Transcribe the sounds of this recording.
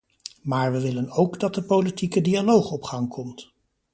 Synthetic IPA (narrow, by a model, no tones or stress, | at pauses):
maːɹʋəʋɪlənowɡdɑt̚dəpowlitikədialowχɔpχɑŋkʰɔmt